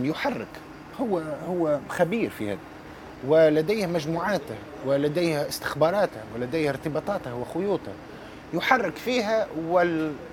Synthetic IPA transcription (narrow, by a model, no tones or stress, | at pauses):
jʊħarːɪk | hʊwːhʊwːxæbiːɾfḭhɪ̰d̪ | wɪlæd̪æjhmæʒmuːʕaːt̪ɪh | wɪlæd̪æjhæʔɪst̪ɪ̥xbɑːɾˤɑːt̪wɪlæd̪æjhɪɾt̪ɨbɑːt̪ˤɑːt̪hwɪxʊjuːt̪ˤh | jʊħarˤːɪkfiːɦæwɪ